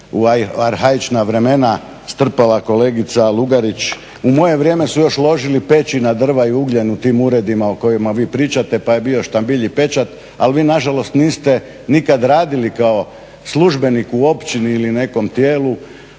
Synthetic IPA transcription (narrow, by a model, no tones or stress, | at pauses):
uʋajaɾɦait͡ʃnaʋɾe̞me̞na | st̪r̩pelako̞le̞ːɡit̪salˠuɡaɾit͡ʃ | umo̞je̞ʋɾje̞ːme̞sujo̞ʃlˠo̞ʒilipe̞t͡ʃinad̪r̩ʋaiuɡʎenut̪iːmuɾe̞d̪imaoko̞jemaʋiːpɾiːt͡ʃat̪e̞pajebio̞ʃt̪ambiʎipe̞t͡ʃat̪ | a̰lʋiːnaʒalo̞st̪niːst̪e̞ | nikad̪ɾaːd̪ilikao̞ | sluʒbe̞nikuo̞pt͡ʃiniːline̞ko̞mt̪jeːlu